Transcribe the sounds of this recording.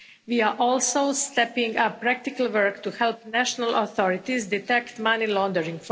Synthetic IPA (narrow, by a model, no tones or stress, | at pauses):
ʋiaʔɔlsost̪ɛpĩŋɡəpɾak̚t̪ikalˠʋəɾkt̪uhɛlpnæʃonaloθɔɾit̪isd̪it̪ɛkt̪manilɔ̃nd̪əɾĩŋɡf